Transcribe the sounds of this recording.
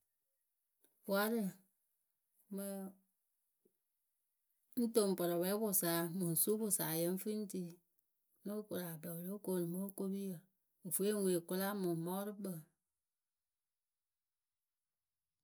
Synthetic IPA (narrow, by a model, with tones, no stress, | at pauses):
wa˦ɾɨ˦˨ | mɨ˨ | n̩˦to˨m˨pɔ˨ɾɔ˨wɛ˦bʊ˨saː˨˦mu˨n̩˨su˦bʊ˨saː˨jə˦ɱ̩˦fɨ˦n˦ti˦ | no˦ku˨ɾa˨bɛ˨wlo˦ko˦˨nɨ˨mo˦ko˦bi˦jə˨ | o˨fu˦e˦ŋ˦we˨kʊ˦la˦mʊ˨mɔ˦ɾɨ˦k͡pə˨